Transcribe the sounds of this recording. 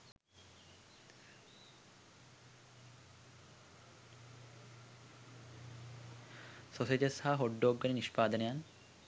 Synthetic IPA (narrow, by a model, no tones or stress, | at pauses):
sosed͡ʒɐshaɦoɖːoːɡːɐniniʃpaːd̪ɐnejan